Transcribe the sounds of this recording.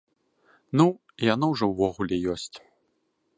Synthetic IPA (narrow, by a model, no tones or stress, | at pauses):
nu | janawʐɔwvɔɣulʲɛjɔsʲt͡sʲ